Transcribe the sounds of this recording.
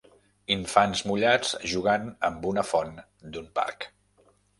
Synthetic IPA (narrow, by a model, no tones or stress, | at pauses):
iɱfanzmuʎad͡zʒuɣ̞anəmbunəfɔn | d̪umpa̰ɾk